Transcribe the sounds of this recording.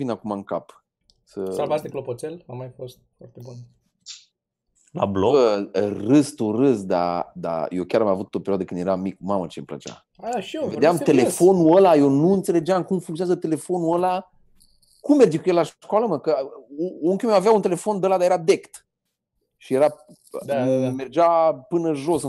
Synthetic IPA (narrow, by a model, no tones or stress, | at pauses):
vinakumaɨŋka̰p | səsalvasd̪eklopot̪selamajfost̪̚fɔrt̪ebun | la̰bloərɨst̪urɨsd̪a̰d̪a̰jewkʲaɾamavut̪opeɾioad̪əkɨnd̪je̞ɾamikmamət͡ʃemplə̰t͡ʃa̰ | aʃved̪eamt̪e̞le̞fo̞nuəlaje̞wnuɨnt̪sele̞d͡ʒamkumfuŋkt̪ionazət̪e̞le̞fo̞nuəla | kumːerd͡ʒikujelaʃkwaləməkə | oŋkʲiumewaveaunt̪elefond̪əlad̪ajeɾad̪e̞kt̪ | ʃijeɾa | me̞rd͡ʒapɨnəʒo̞sɨ